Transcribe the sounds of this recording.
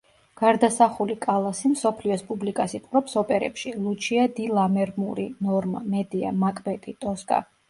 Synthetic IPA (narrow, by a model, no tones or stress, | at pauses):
ɡ̥aɾd̪asaχulikʼalˠasimsɔpʰliɔspʼublikʼasit̪ʼqɾɔpsɔpʼɛɾɛ̰pʃilˠut͡ʃʰiad̪ilˠamɛɾmuɾḭnɔɾma̰mɛd̪ia̰makʼbɛt̪ʼit̪ʼɔskʼa̰